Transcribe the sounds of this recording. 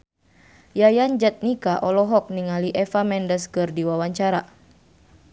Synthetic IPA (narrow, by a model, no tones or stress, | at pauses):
jajand͡ʒat̪̚nikaʔɔlɔɦɔk̚niŋaliʔɛfamɛndəskɨrdiwawaɲt͡ʃaɾa